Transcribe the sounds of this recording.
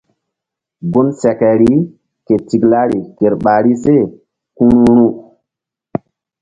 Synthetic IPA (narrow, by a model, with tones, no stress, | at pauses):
bu˦nsɛ˨kɛ˨ɾi˦ | ke˨ti˨ɡla˦ɾi˨ke˨ɾɓa˨ɾi˦se˦˨ | kũ˦ɾu˦ɾũ˦